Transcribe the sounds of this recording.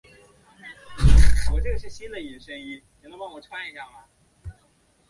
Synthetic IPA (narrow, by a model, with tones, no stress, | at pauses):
wɔ˨˩ʈ͡ʂɤ˥˩ɡə˩ʂɻ̩˥˩ɕi˥nd̪ə˨i˨˩nʂə˥ŋi˥˩ni˨˩nə˥˦wa˥˩ŋwɔ˨˩ʈ͡ʂʰwa˥ni˧˩ɕʰa˥˩ma˩